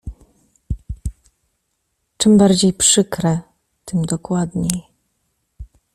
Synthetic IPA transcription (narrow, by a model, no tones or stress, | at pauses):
t͡ʂɘmbaɾd͡ʑejpʂɘkɾɛ | t̪ɘmd̪ɔkwad̪ɲej